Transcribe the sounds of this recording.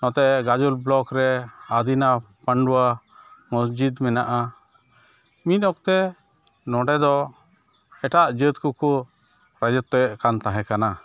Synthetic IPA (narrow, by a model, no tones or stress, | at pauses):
nɔ̃t̪ɛɡad͡ʒulblɔkɾɛad̪ina | pəɳɖuwa | məs̬d͡ʒid̪mɛnaʔa | mit̪̚ɔk̚t̪ɛ | nɔɖɛd̪ɔ | ɛʈaʔd͡ʒət̪kukɔ | ɾad͡ʒət̪ːɛʔkant̪ãɦɛ̃kana